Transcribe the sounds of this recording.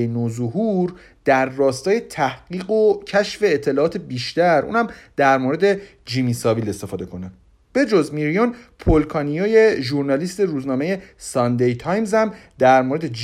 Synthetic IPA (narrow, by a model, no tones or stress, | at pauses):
enozoɦuɾ | d̪̥æɾːɒːst̪ɒːje̞t̪ʰæhɢiːɢocʰæʃfe̞ːt̪ʰːe̞lɒːʔɒːt̪ʰebiːʃt̪æɾʔṵːnhæmd̪æɾmoɾe̞d̪e̞ | d͡ʒimisɒːvile̞st̪e̞fɒːd̪e̞kʰo̞ne | b̥e̞d͡ʒɒzmiɾijonpʰolkʰɒnijojeʒuɾnɒliːst̪eɾuːznɒːme̞je̞sɒnd̪ejt̪ʰɒjmzhæm | d̪æɾmoːɾe̞d̪ed͡ʒ